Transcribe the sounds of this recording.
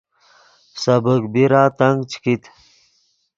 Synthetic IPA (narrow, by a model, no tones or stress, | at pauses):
səbəkbiɾaːt̪ɐŋɡt͡ɕʰkit̪